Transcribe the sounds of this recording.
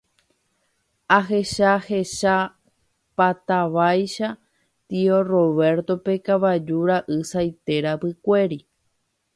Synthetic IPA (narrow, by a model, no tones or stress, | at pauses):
aɦeʃaheʃa | pat̪aʋajʃa | t̪io̞ro̞βe̞ɾt̪o̞pe̞kaβad͡ʒuɾaʔɨsajt̪e̞ɾapɨkʷe̞ɾi